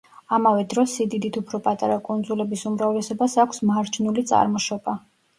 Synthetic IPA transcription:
amavɛd̪ɾɔsid̪id̪it̪ʰupʰɾɔpʼat̪ʼaɾakʼund̪zulɛbisumɾavlɛsɔbasakʷʰsmaɾt͡ʃʰnulit̪sʼa̰ɾmɔʃɔba

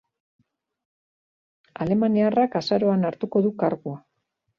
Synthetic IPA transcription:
a̰le̞maniarakasaɾo̞anaɾt̪uko̞ðukaɾɣua

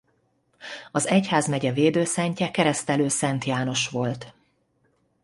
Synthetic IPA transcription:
ɒzɛchaːzmɛɟɛveːd̪øːsɛɲcɛkɛɾɛst̪ɛløːsɛnt̪jaːno̞ʃʋo̞lt̪

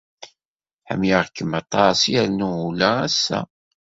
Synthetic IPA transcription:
ħə̰mjaʁkːəmɑt̪ˤːɑsjæɾnuulææsːæ̰

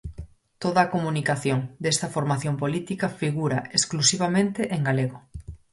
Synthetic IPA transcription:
t̪oðɐːkomunikaθjoŋd̪est̪ɐfoɾmaθjompolit̪ikɐfiɣuɾɐesklusiβamẽnt̪eʔeŋɡaleɣo

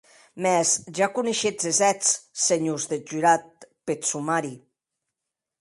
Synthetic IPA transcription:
mɛzʒakuneʃed͡zezɛt͡sːeɲuzðed͡ʒyɾat̪̚pesumaɾi

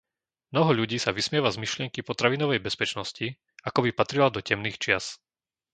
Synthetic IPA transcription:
mnɔɦɔʎuɟiːsaʋismɪɛʋazmiʃlɪɛŋkipɔt̪ɾaʋinɔʋɛjbɛspɛt͡ʃnɔsci | akɔbipat̪ɾilad̪ɔcɛmniːxt͡ʃɪas

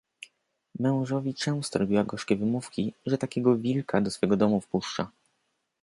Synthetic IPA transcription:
mɛ̃w̃ʐɔvʲit͡ʂɛw̃st̪ɔɾɔbʲiwaɡɔʂkʲɛvɘmufkʲiʐɛt̪akʲɛɡɔvʲilkad̪ɔsfɛɡɔd̪ɔmufpuʂt͡ʂa

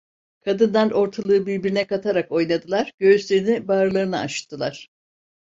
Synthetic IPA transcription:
kʰad̪ɯnd̪anʔo̞ɾt̪ʰalˠɯɯbiɾbiɾinɛkat̪ʰaɾako̞jnad̪ɯlˠaɾɟ̥ø̞yslʲe̞ɾinibaːɾɯlˠaɾɯnaa̰ʃt̪ʰːɯlˠaɾ̥

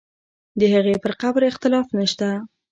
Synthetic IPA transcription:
d̪əhaɣepəɾqabɾɪxt̪ɪlɑfnəʃt̪a

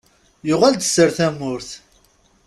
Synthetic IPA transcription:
jʊʁæld̪əsːəɾθæmːʊɾθ

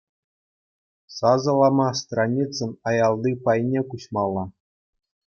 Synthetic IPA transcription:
sɑzɤ̆lˠɑmɑst̪ranʲit͡sːɤ̆nɑjɑlˠd̪ipɑjnʲekuɕmɑlˠːɑ

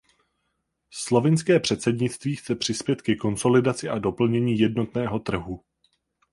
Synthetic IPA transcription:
slo̞vɪnskɛːpr̝̥ɛt̪sɛdɲɪt̪t͡st̪viːxt͡sɛpr̝̥ɪspjɛt̪kɛko̞nso̞lɪdat͡sɪʔado̞pl̩ɲɛɲiːjɛdno̞t̪nɛːɦo̞t̪r̩ɦu

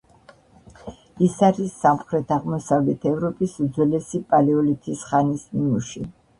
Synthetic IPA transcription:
isaɾisːamχɾɛt̪ʰaʁmɔsavlɛt̪ʰɛvɾɔpʼisud̪zwɛlɛsipʼalɛɔlit̪ʰisχanismimuʃi

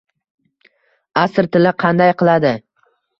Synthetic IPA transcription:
asɾt̪ʰɪlɪqʰɑnd̪ajqɨlˠad̪ɪ

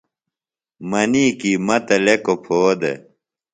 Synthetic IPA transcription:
mɐniːkiːmɐt̪ɐlekopʰoːd̪ḛ

